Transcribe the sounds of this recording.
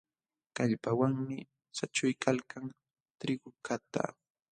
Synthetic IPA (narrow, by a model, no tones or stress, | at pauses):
kaʎpawaŋmɪ | sat͡ʃʊjkalkaŋ | t̪ɾɪɡʊkʰat̪a̰